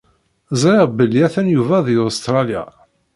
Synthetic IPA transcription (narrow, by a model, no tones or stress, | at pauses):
zˤɾˤɪʁbəlːiæθænjuvæðiost̪ɾˤɑlja̰